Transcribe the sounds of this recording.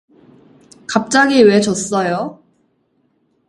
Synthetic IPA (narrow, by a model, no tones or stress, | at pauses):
kap̚t͡ɕ͈aɡiwe̞t͡ɕʌs͈ʌjo